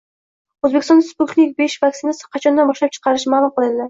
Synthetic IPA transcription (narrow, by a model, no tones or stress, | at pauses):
ɵzbekʲɪst̪ɔ̃nasput̪nʲiɪk̚ʲbeʃvaksinasɪ̥qʰɑt͡ʃʰɒnd̪anbɒʃlap̚t͡ʃʰɨ̥qʰɑɾɪʃmaːlˠʊmqɨlˠɪnd̪ɪ